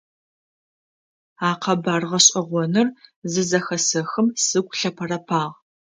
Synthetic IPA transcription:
aːqʰɐbaːrʁɐɕʼɐʁʷɔnɨrzɨzɐxɐsɐxɨmsɨɡʷʼɬɐpʰɐrɐpʰaːʁ

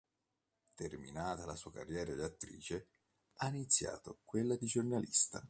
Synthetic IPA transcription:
t̪ermḭnaːt̪alasuːaka̰rːjɛːɾad̪at̪ːɾḭːt͡ʃe | ainit̪sːja̰ːt̪okwelːad̪id͡ʒornalist̪a

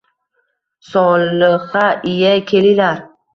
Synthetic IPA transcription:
sɒlɨʁɑʔɪjakʲʰe̞lɪlaɾ

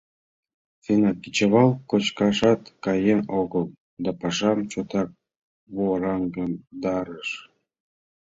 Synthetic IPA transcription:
fenɑkit͡ɕəβɑlˠkot͡ɕkɑʃɑt̪kɑjenoɣəlˠ | d̪ɑpɑʃɑmt͡ɕot̪ɑk̚ | βoɾɑŋɡənd̪ɑɾəʃ

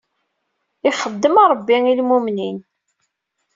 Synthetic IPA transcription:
iχəd̪ːəmɑɾˤəbːiŋilmumnin

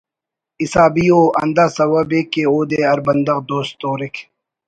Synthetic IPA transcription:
isaːbijoːʔɐ̰nd̪asɐwɐbekːeoːd̪eːɐɾbɐnd̪ɐqd̪oːst̪oːɾikʰ

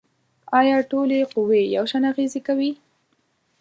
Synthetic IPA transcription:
ɑjɑʈoleqʊweja̰wʃanaɣezekawi

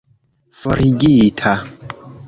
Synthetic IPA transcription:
fɔɾiɡitʰa

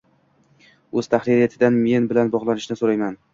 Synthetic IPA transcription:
ɵz̥t̪ʰahɾiɾijat̪ʰɪd̪anme̞nbɪlanbɒʁlˠanɪʃnɪsoɾajman

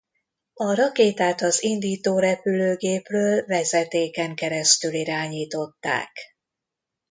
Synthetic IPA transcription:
ɒɾɒkeːt̪aːt̪ɒzind̪iːt̪oːɾɛpyløːɡeːprøːlvɛzɛt̪eːkɛŋkɛɾɛst̪yliɾaːɲiːt̪o̞t̪ːa̰ːk

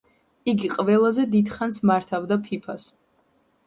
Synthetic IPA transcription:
iɡiqʼvɛlˠazɛd̪id̪χansmaɾt̪ʰavd̪apʰipʰas

